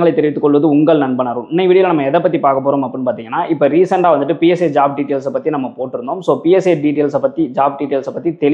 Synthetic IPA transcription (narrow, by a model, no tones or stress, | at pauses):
ɡɐɭɐɪt̪ːɛɾɪʋɪt̪ːɯkːɔɭʋɐðɯʊŋɡɐɭnɐnbɐnaːɾɯmɪnːɐɪʋiɽɪjɐlɐnɐmːɐɛðɐpːɐt̪ːipaːɾkɐpːoːɾoːmɐpːɯnːɯpaːɾt̪iːŋɡɐnːaːʔɪpːɐɾiːsɐɳɖaːʋɐnd̪ɯʈːɯpiɛsed͡ʒaːb̚ɖiʈeːlsɐpːɐt̪ːinɐmːɐpoːʈːɪɾɯɳɖoːmsoːpiɛseɖiːʈeːlsɐpːɐt̪ːid͡ʒaːb̚ɖiʈeːlsɐpːɐt̪ːit̪ɛɭ